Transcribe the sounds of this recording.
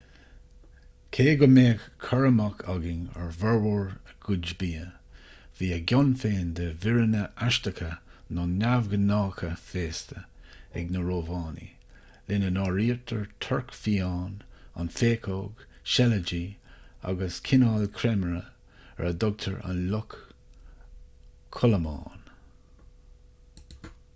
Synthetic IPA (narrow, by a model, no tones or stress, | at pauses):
kʰeːɡɔmeːɡkʰːɔɹəmakʰɔɡɪŋɛ̰ɹvɛɹwɔɹəɡ̥ʊd͡ʒbiːə | v̥iːəɡʲɔnfeːnd̪əvɪɹənəʔaʃtəkʰənɔnːavɡənɑːkʰəfeːst̪əɛ̰ɡnəɹoːvɑːnḭ | lɪnənɑːɹiːɹt̪ʰəɹt̪ʰɔɹkfiːɑːna̰nfeːkʰoːɡʃɛləd͡ʒiːa̰ɡəskʰɪnɑːlkʰɾɛmɹə̰ | ɛ̰ɹəd̪ɔɡ̚t̪ʰə̰ɹa̰nlʊk | ɔləmɑ̰ːn